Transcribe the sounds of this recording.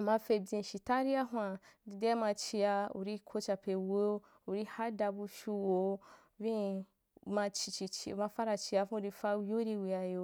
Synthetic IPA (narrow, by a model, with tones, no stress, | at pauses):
mã˧fe˧bʲĩ˧ʃi˨ta˦ɾi˦a˦ɦw̃a˧di˧de˦mã˧t͡ʃi˧ja˧ṵ˨ɾi˧kʰo˧t͡ʃa˧pe˧wo˧˦o˦ | u˨ɾi˧ha˦da˧bu˧ʃu˧wo˧ | bĩ˦˧˨ | mã˧t͡ʃi˧t͡ʃi˧t͡ʃḭ˨mã˧fa˦ɾa˧t͡ʃi˧a˧fũ˦u˧ɾi˧fa˦jo˦ɾi˧wi˧ja˧jo˧